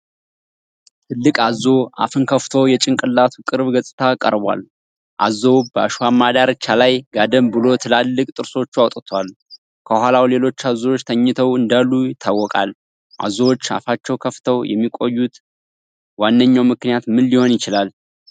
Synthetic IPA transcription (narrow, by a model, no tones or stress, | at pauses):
t̪ʰɨlːɨkʼazo̞ʔa̰fɨnkʰəft̪ʰowjɛt͡ʃʼɪŋkʼɨlːat̪ʰukʼɨɾβɡəsʼɨt̪ʰakʼə̰ɾbwa̰l | ʔa̰zːo̞bəaʃwamːad̪aɾɨt͡ʃːalajɡad̪əmbɨlo̞t̪ʰɨlalːɨkʼt̪ʼɨɾso̞t͡ʃːuawt̪ʼɨt̪ʰwal | kʰəhʷalawle̞lo̞t͡ʃːazowot͡ʃːt̪ʰəɲːɪt̪ʰəwɨnd̪alːujɪt̪ʰːawːɔkʼa̰l | ʔa̰zowot͡ʃːa̰fat͡ʃːɛwkʰəft̪ʰəwjɛ̰mːikʼo̞jːut̪ | wanːəɲːawmɨknijat̪mɨnliho̞njɪt͡ʃɪlal